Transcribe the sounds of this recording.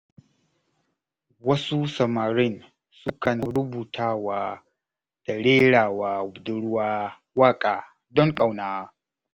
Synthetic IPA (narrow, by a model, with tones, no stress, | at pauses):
wɐ˦su˦sɐ˨maː˨ɾɪ˦n | sʊ˦kɐ˨nɐ˨ɾʊ˦buː˨tʰaː˦˨waː˦ | d̥a˨ɽeː˦ɽaː˨waː˨ʊ˨bdʊ˦ɽwaː˦ | waː˦kʼaː˨ | dɔ˦ŋkʼa˨wnaː˨˦